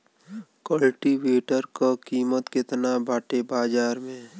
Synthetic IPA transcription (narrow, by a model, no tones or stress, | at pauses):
kəlʈiʋeːʈəɾkakiːmət̪kɪt̪nabaːʈebaːd͡ʒaːɾmẽː